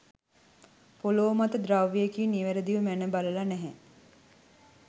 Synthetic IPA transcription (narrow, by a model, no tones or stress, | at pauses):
poloːmat̪əd̪ɾawʋijekiːniʋeɾəd̪iʋəmænəbaləlanæɦɛ